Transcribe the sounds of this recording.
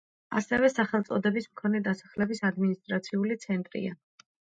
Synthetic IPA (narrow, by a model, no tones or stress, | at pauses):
a̰sɛvɛsaχɛlˠt̪sʼɔd̪ɛbismkʰɔnɛd̪asḁχlɛbisad̪minist̪ʼɾat̪sʰiulit̪sʰɛnt̪ʼɾḭa̰